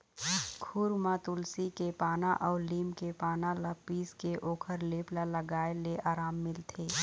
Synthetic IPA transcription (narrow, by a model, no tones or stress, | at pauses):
kʰʊɾmãt̪ʊlsikepaːnaʔɔːɾliːmkepaːnalapiːskeʔoːkʰəɾleːplaləɡaːeleʔaːɾaːmːɪlt̪ʰeː